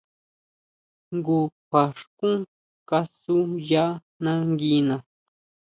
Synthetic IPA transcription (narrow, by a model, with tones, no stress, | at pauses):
ŋɡu˧kʷa˨ʂkũ˦ | ka˧su˦ja˦ | nã˦ŋɡi˧˦nã˨